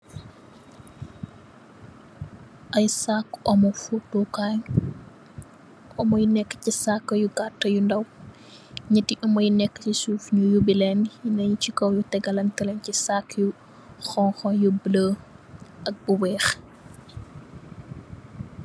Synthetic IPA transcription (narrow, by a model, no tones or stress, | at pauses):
ʔɐjsakːɔmɔfutɔkaɲ | ʔɔmɔjnɛkːə̥cisakːjuɡatːɐjundɐw | ɲɐtːiʔɔmɔjnɛkːə̥cisuːfɲujubilɛnjinɐɲut͡ʃikɔwjutɛɡɐlɐntɐlɛncisakːju | xɔnxɔnjubləːʔɐk̚buwɛːx